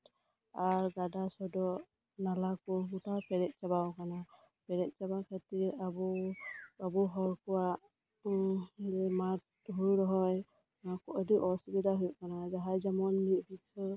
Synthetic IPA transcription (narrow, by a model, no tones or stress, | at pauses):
aɹɡadasɔdɔ | nalakɔmutapʰɛɹɛt̚zabawkana | pʰɛɹɛt̚zabakʰɛtiabɔ | abɔɦɔɹkɔwa | dɛmat̚ː | ɦuɹɾɔɦɔj | nakɔʔɔdiʔɔsibidaɦujkanazaɦajzamɔnmit̚bitʰɔ